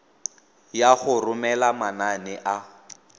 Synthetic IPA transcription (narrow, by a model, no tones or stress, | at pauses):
jaχʊrʊmɛlamananɛʔa